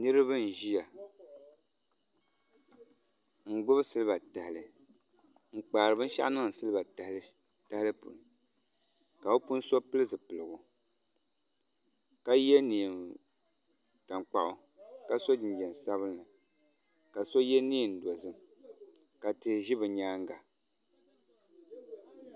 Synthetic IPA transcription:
nɨ˦ɾɨ˦bɨ˦n̩˨ʒi˦ja˨ | ŋ̩˦˨ɡ͡bʊ˦bɨ˦sɨ˦lɨ˦ba˨ta˨hlɨ˨ | ŋ͡m̩˨k͡paː˨ɾɨ˨bɨ˦n̩˦ʃa̰˦ʔnɨ˦ŋ˨sɨ˦lɨ˦ba˨˦ | ta˦hlɨ˦pṵ˨nɨ˨ | ka˨o˦pu˦n˦so˦pɨ˦lɨ˦zɨ˨pɨ˨lɨ˨ɡʊ˨ | ka˦jɛ˦niː˨ | ta˨ŋ͡mk͡pa˨ʔʊ˨ | ka˦so˦d͡ʒɪ˨n˨d͡ʒɛ˨n˨sa˦βɨ˦nla˨ | ka˨so˦jɛ˦niː˦˨n̩˨do˨zɨ˨m | ka˨tɨ˨ʒi˦bɨ˨ɲaː˦ŋ˦ɡa˨

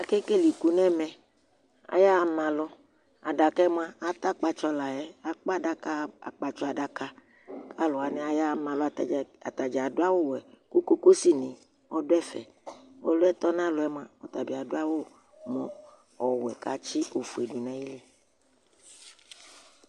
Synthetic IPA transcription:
a˨ke˦ke˦˨li˨ku˨nɛ̃˦˨mɛ̃˨ | a̰˨ja˦˨mã˨lɔ˧ | a̰˨da˨kɛ˦m˦ã˦a˨t̪a˦k͡pa˨t͡ʃɔ˧la˨ɛ˦a˦k͡pa˦da˦ka˦a˨k͡pa˨t͡ʃɔ˦a˨da˧ka˦ | ka˦lɔ˨a˨nɛ˨a˨ja˦˨mã˨lɔ˦˨a˨t̪a˨d͡ʒa˨a˨do˦a˦wo˦wɛ˨ku˦ko˦ko˦si˦˨nĩ˨ | ɔ˦dʊ˦ɛ˦fɛ̰˨ | o̰˦lo˦ɛ˦t̪ɔ˦nã˦lɔ˨ɛ˦m˦ã˦ɔ˨t̪a˨bi˨a˨do˦a˦wo˦ | mɔ̰̃˨ | ɔ˨wɛ˨ka˨t͡ʃi˦o˨fu˨e˨du˨nã˨˦ji˦li˦

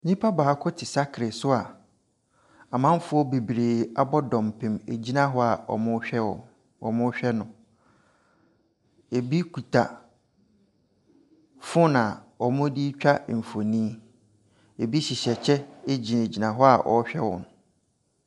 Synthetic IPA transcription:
ɲĩ˦pʰa˦ba˨a˦kʰʊ˦tʰɪ˨sa˦kʰɾɪ˨sʊ˦a˨ | a˨mã˦m˦fʊ˦ɔ˦be˨bɾeː˨a˦bɔ˦dɔ̃˨mpʰɪ̃˨me˨d͡ʑi˦nã˦ɦɔ˦a˨ɔ̰˨mʊ̃˦ɛ˦ɔ̰˨ | ɔ̰˨mʊ̃˦ɕᶣɛ˦nʊ̃˨ | e˨bi˦kʰu˨tʰa˨ | fʊ˦nã˨ | ɔ˨mʊ̃˦di˦t͡ɕᶣa˦m̩˨fo˨nĩ˦ | e˨bi˦ɕi˨ɕɛ˨t͡ɕʰɛ˦e˦d͡ʑi˨n˨d͡ʑi˨nã˨ɦɔ˦a˨ʔɔ̰˨˦ɕᶣɛ˦wɔ̰̃˨nʊ˨

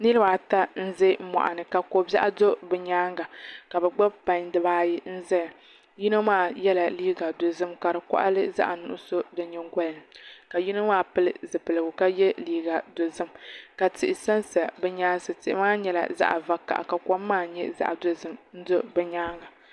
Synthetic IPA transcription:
nɨ˦lɨ˦baː˨ta˦n̩˦ze˦m̩˦mɔ̰˨ʔa̰˨nɨ˨ka˨ko˨ba˦ʔa˦do˦bɛ˨ɲaː˦ŋɡa˨ka˨bɛ˨ɡ͡ba˦bpa˨ɲdɨ˦baː˦ji˦n̩˦zɛ˦ja˨ | ji˦no˦maː˦jɛ˦la˨liː˦ɡa˨do˨zɨ˦mka˨ɾɨ˨kʷa̰˦ʔa̰˦lɨ˦za̰˦ʔa˨nʊ̰˦ʔʊ̰˦so˦dɨ˨ɲɛ˦ŋɡʷɔ˦lɨ˨nɨ˨ka˨ji˦no˦maː˦pɨ˦lɨ̰˦zɨ˨pɨ˨lɨ˨ɡʊ˨ka˦jɛ˦liː˦ɡa˨do˨zɨ˦mka˨tɪ˨ʔɪ˨sa˦nsa˨bɛ˦ɲaː˦nsɨ˨tɪ˨ʔɪ˦maː˦ɲɛ˦la̰˨za̰˦ʔa̰˨va˨ka̰˨ʔa̰˨ka˨kɔ˦mː˦aː˦˨ɲɛ˦za̰˦ʔa˨do˦zɨ˦mn̩˦do˦bɛ˨ɲaː˦ŋɡa˨

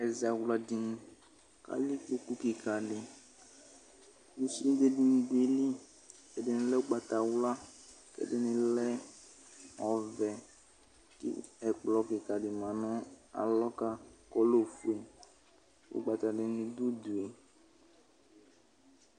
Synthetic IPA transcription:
ɛ˨za˨wla˨dɪ˨nʊ̃˨ | ka̰˨li˦k͡po˦ku˦kɪ˨kʰa˨dɪ˨ | nu˨si˦e˦de˨di˨n̩˨de˨li˦ | ɛ˨dɪ˨nɪ̃˨lɛ˦ʊ˦ɡ͡ba˨t̪a˨wla˦ | kɛ̰˨dɪ˦nɪ̃˨lɛ˦ | ɔ˨vɛ˨ | kɪ̰˦ɛ˨k͡plɔ˨kɪ˨ka˨dɪ˨mã˨nʊ̃˦a̰˨lɔ˦ka˦kɔ˦lo˦fu˨e˨ | ʊ̰˦ɡ͡ba˨t̪a˨dɪ˨nɪ̃˨d̪u˦du˨e˨

